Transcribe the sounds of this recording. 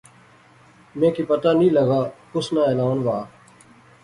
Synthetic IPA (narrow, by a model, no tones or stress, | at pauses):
mẽːkiːpət̪aːnĩːləɡaːkʊsnaːeːlaːnʋaː